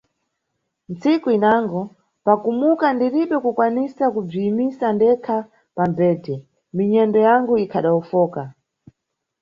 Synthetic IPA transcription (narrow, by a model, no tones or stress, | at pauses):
nt͡sikuinaŋɡɔ | pakumukandiɾiɓɛkukwanisakub͡ʐiːmisandɛkʰa | pambɛːtʰɛ | miɲɛndɔjaŋɡuikʰaɗaufɔːka